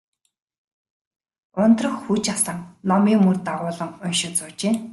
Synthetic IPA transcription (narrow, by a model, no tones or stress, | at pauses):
ʊnt̪rə̆xxut͡ɕasə̆ŋnɔmiːmurt̪aʁʊːɮə̆ŋʊnʃɪ̆t͡sʊːt͡ɕeː